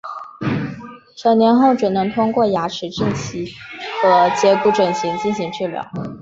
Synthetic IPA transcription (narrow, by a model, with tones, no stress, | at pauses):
ʂɑ˨˩njɛ˧˥nxo˥˩ʊʈ͡ʂɻ̩˨˩nɤ˧˥ŋt̪ʰʊ˥ŋkwɔ˥˩ja˧˥ʈ͡ʂʰɻ̩˨˧˥ʈ͡ʂə˥˩nt͡ɕʰi˧˥xə˧˥t͡ɕjɛ˧˥ku˧˥ʈ͡ʂə˨˩nɕi˧˥ŋt͡ɕi˥˩nɕi˧˥ŋʈ͡ʂɻ̩˥˩ljɑ̰˧˥ʊ